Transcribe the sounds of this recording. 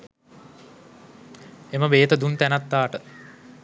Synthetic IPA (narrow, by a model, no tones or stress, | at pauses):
eməʋeːt̪əd̪unt̪ænat̪ːaːʈə